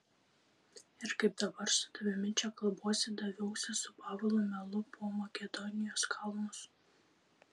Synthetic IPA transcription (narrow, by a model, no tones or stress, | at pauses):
ɪɾkɐɪp̚d̪ɐbɐɾsʊ̥d̪̥ɐʋʲɪmʲɪt͡ʃʲɛkɐlˠbuɔsʲɪd̪ɐʋʲɛʊsʲɪsʊpɑːʋɐlˠomʲɛlˠʊpʰoːmɐkʲɛd̪ɔnʲɪjoːskʰɐlˠmʊs